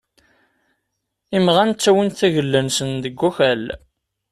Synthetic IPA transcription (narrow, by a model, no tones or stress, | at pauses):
imʁænt͡sːæwinθæʝəlːənsənd̪əɡʷːuçæl